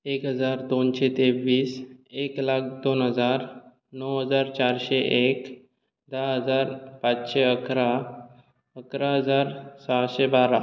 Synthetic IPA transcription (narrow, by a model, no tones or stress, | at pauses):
ekɦəd͡zaɾd̪onɕet̪eʋiːseklak̚d̪onɦəd͡zaɾ | nəwɦəd͡zaɾt͡ɕaɾɕeʔek | d̪aɦəd͡zaɾpat͡sɕeəkʰɾa | əkɾaɦəd͡zaɾsaɕebaɾa